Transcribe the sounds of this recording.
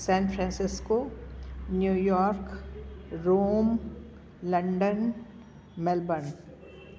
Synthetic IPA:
sɛ̃ːnfʰɾɛ̃ːnsɪsko | njuːjɔːɾk | ɾoːm | lɐ̃ɳɖən | mɛlbən

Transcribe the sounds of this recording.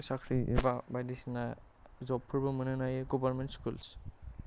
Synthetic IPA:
sakʰɾibabajdisna | zɔpʰːuɹbɯmɯnɯnajeɡɔbaɾmɛnʈskuls

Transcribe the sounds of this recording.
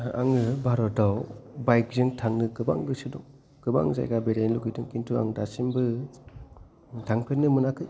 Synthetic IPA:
a̰ŋɯbʱaɾɔtawbajk̚zɯŋtʰaŋnɯkɯba̰ŋɡɯsɯdɔŋ | ɡ̥ɯba̰ŋza̰jɡabeɾajnluɡitɯŋkintʰua̰ŋdasimbɯ | tʰaŋpʰenɯmɯnakʰɯj

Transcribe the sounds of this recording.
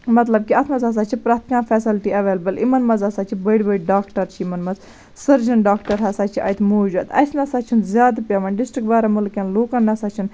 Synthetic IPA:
mɐt̪lɐb̚kiɐt̪ʰmɐzas̬at͡ʃʰipɾaːt̪ʰikãːfʰɛːsilʈiɐʋeːlbɐlimɐnmɐzɐsaːt͡ʃʰibəɽʲbəɽɖaːkʈɐɾt͡ʃʰiimɐnmɐz | sɐɾd͡ʒɐnɖaːkʈɐɾɦɐsaːt͡ʃʰiʔɐ̰jt̪ʰmoːd͡ʒɐt̪ɐ̰snɐsɐt͡ʃʰunzʲjaːd̪pʲjɐʋɐnɖɪsʈɾikbaːɾamulkʲɐnloːkɐnnːɐsɐt͡ʃʰun

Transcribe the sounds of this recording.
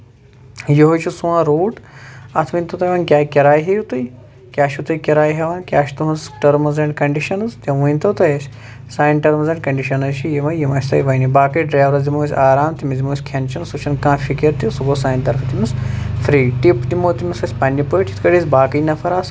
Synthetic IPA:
jiɦot͡ʃʰusuãːɾuːʈɐt̪ʰʋɐnʲt̪ɐt̪ɐjʋɐːnkʲaːkʲɐɾaːjɦijut̪uj | kʲaːʃit̪ujkʲiɾaːjɦɐʋɐːnkʲaːʃt̪uɦɐnsʈɐɾmɐzɐɳʈkɐɳɖiʃɐnɨzt̪ʲeʋɐjnʲt̪ɐt̪ɐjɐsʲ | saːjɳʈɐɾmɐzɐɳʈkɐɳɖiʃɐnɐzt͡ʃʰijiʋɐjimɐsʲt̪ɐ̰jʋɐjnibaːkɐiɖɾaːʋɾɐzʲimusʲaːɾaːmt̪imizimusʲkʲʰɐnt͡ʃʰɐnsut͡ʃʰɐnkãːfʰʲikʲɐɾt̪isuɡosaːjnt̪ɐɾfʰɐt̪imʲisfɾiːʈipt̪imoːt̪imʲisɐsʲpɐnʲːipɐjʈʰi̥t̪ʰkɐɽisʲbaːkɐjnɐfʰɐɾaːs

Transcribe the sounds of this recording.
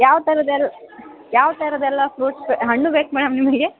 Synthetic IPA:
jaːʋt̪ɐɾɐd̪ɛlːa | jaːʋt̪ɐɾɐd̪ɛlːɐpɾoːʈsbeɦɐɳːubeːkmɛːɽɐmnimɐɡe

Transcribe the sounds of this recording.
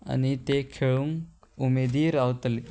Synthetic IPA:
a̰nit̪ekʰeɭuŋkumed̪iːɾaʋt̪le

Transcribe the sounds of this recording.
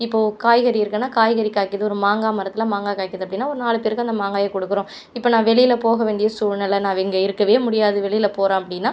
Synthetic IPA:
ɪpːoːkaːjɣɐɾiɪɾɯkːɐnːaːkaːjɣɐɾikaːʈkːɪɐðɯɔɾɯmaːŋɡaːmɐɾɐt̪ːɪlamaːŋɡaːkaːʈkɪɾɐðɯɐpːɐɽɪnːaːɔɾɯnaːɭɯpeːɾɐkːɯɐnd̪ɐmaːŋɡaːjɐkɔɽɯkːɯɾõː | ɪpːoːnãːʋɛɭɪjɪlɐpoːɣɐʋeːɳɖɪjɐsuːɻnɐlɐnãːʋɛŋɡɐɪɾɯkːɐʋeːmʊɽɪjaːðɯʋɛɭɪjɪlɐpoːɾãːɐpːɐɽɪnːaː

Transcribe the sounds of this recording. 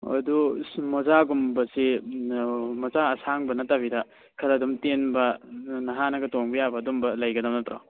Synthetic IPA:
ɐ̰dumɐzaɡumbɐsi | mɐzaɐsaŋbɐnɐtabidɐ | kʰɐɾɐdumtenbɐnɐɦanɐɡɐtoŋbɐjabɐːdumbɐlɐjɡɐdɐmnɐtɾa̰

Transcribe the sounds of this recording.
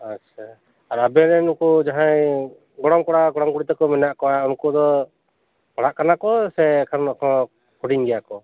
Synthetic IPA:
at͡ʃʰa | aɾabɛnɛnukɔd͡ʒaɦaj | ɡɔɽɔmkɔɽaɡɔɽɔmkuɽit̪ɛkɔmɛnaʔkɔwaunkɔd̪ɔ | paɽaʔkanakɔsɛkʰaɾnɔkʰɔ̃ | kʰuɽiɲɡɛjakɔ

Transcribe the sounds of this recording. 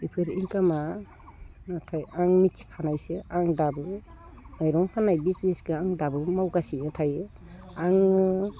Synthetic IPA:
ipʰɯɾiŋkama | natʰajaŋmit͡ʃkʰanajseaŋdabɯ | najɾɔŋkʰanajbisɡiskɯaŋdabɯmawɡasinatʰajɯ | aŋ

